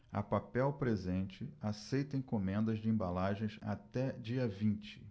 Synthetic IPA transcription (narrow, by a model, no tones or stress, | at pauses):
ɐ̰papɛwpɾezẽnt͡ʃɪasejt̪ẽj̃kõmẽnd̪ɐzd͡ʒɪẽbalaʒẽj̃sa̰t̪ɛd͡ʒiɐvĩt͡ʃɪ̥